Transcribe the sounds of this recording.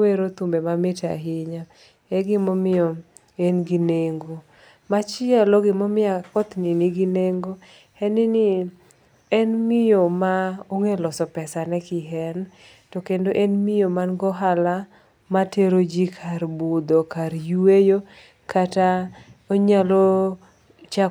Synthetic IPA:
weɾot̪umbemamɪta̰ɦɪɲa | ɛɡɪmɔmɪjɔ | enɡineŋɡo | mat͡ʃɪalɔɡɪmɔmɪakɔt̪niniɡineŋɡo | hɛnɪnɪ | ɛnmɪjomaoŋelɔsɔpɛsanɛkɪɦɛn | tɔkendoʔenmɪjomanɡɔɦala | mateɾod͡ʒikʰaɾbud̪okaɾjuwejo | kataoɲalɔ | t͡ʃa

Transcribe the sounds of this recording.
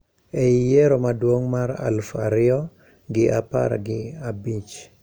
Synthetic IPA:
eijeɾomadwoŋmaɾa̰lfaɾɪjɔ | ɡɪʔapa̰ɾɡɪabit͡ʃ

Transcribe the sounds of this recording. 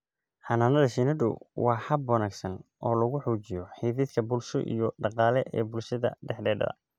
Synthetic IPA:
ħɑnaːnɐðɐʃinɐdʊ̰wɑːħɐbwɑnaːɡsɐnʔɔːlɐɣʊħuːt͡ʃɪjɔħiːðɪd̪kʰɐbʊlʃɔ̰ʔḭjɔɖɑqɑːlɛʔɛ̰ːbʊlʃɐðɐ̰ɖɛħɖɛːɖɐ̰ɐ̰

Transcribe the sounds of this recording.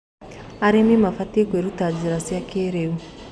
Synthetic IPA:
aɾenimafatekweɾutaziɾasiakeɾeu

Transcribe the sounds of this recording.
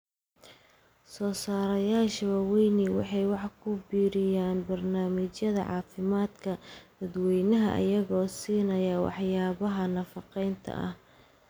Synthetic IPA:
sɔːsaːɾɐjaːʃɐwɐwɛjniwɑ̰ħɑjwɑħkʰʊbiːɾɪjaːnbɐrnaːmɪt͡ʃjɐðɐ̰ʕɑ̰ːfɪmaːd̪kʰɐd̪̥ɐd̪wɛjnɐɦɐ̰ʔɪ̰jɐɣɔːsiːnɐjɐwɑ̰ħjaːβɐɦɐnɐfɑqɛjnt̪ʰɐ̰ʔɐ̰h

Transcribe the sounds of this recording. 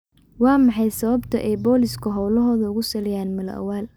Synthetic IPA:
wɑːmɑħɑjsɐβɐbt̪ʰɐʔɛjbɔːlɪskʰʊɦɔwlɐɦɔːðɐʊɣʊsɐlɛjaːnmɐlɐ̰ʔɐ̰waːl

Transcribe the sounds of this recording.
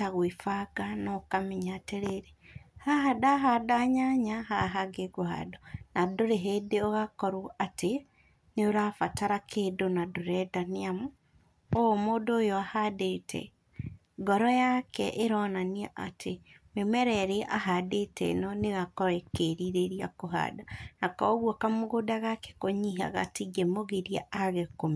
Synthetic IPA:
aɣwifaɡanɔkamɛɲaːteɾeɾehaɦadaɦadaɲaɲahaɦaɡeɡoɦa̰dɔnadoɾeɦedeoɣakɔɾuʔatʰe | neoɾafataɾakʰeːdonadoɾɛdaniamu | omoːdoːjɔahadetʰɛ̰ | ɡɔɾɔjakɛʔeɾɔnaniaʔatʰemwemɛɾɛɾeʔa̰hadetɛ̰ḛnɔneɣakɔɾɛkeɾiɾeɾiakoɦa̰ːdanakɔɣwɔkamoɣodaɣakɛ̥koɲiɦa̰ɣa̰tiɡemoɣeɾiaʔaɣekome

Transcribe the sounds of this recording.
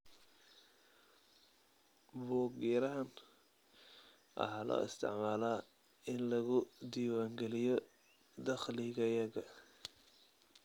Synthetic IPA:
buːɡiːɾɐɦɐn | ʔɐ̰ħaːlɔ̰ːɪ̰st̪ʰɪ̰ʕmaːlaː | ɪnlɐɣʊd̪iːwaːŋɡɛlɪjɔ | d̪ɐχlɪɣɐjɐɣɐ

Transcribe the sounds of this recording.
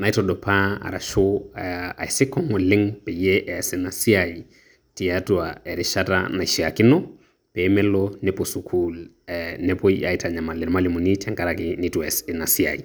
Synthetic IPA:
naitɔdɔpʰaa̰ɾa̰ʃo | a̰isɪkɔŋɔlɪŋpɛjɛʔɛsɛnasiai | tiatuaɛɾɪʃata̰naiʃiakɪnɔ | pɛmɛlɔnɛposukʰul | ɛnɛpɔia̰itʰaɲamalɪɾmalimunitaŋkaɾakɪnituɛsɛnasia̰i

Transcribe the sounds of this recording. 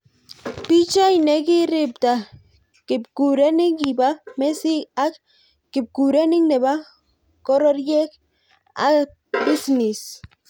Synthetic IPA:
pit͡ʃaineɡiɾib̚t̪a | kipkuɾeniŋibamesiak | kip̚kuɾeniŋneba | koɾoɾjek | a̰ | bisnis

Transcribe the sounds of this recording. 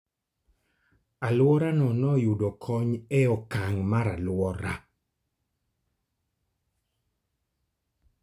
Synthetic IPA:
alwɔɾanɔnɔjudɔkʰɔɲɛɔkaŋmaɾalwɔɾa

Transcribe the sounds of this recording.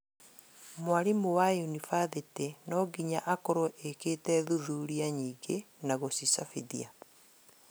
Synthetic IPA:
mwaɾimowajunifaðetenɔɡiɲaʔakɔɾɔʔeketɛðuðuɾiaɲiːɡe | naɣosisafiðia

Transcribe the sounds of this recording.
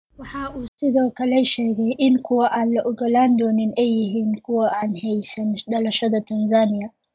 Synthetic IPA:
wɑħɑːʔuːsɪðɔːkʰɐlɛʃɛːɣɛjʔɪŋkʰʊwɐʔaːnlɐʔɔɣɐlaːnd̪ɔːnɪnɛjːɪɦiːnkʰʊwɐʔaːnhɛjsɐnɖɐlɐʃɐðɐt̪ʰɐnzaːnɪjɐ

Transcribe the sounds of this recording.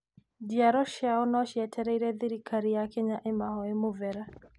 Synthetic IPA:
diaɾɔʃjaɔnɔʃiɛtʰɛɾɛiɾɛðiɾikʰaɾijakɛɲaʔɛmahɔemuvɛɾa

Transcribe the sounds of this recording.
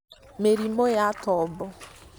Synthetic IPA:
meɾimojatɔbʊ

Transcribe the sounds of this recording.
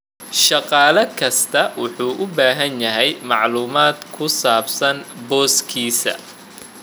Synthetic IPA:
ʃɑqɑːlɐkʰɐst̪ʰɐwʊħuːʔʊbaːɦɐnjɐɦɛjmɑʕluːmaːd̪kʰʊsaːbsɐnbɔːskʰiːsɐ̰

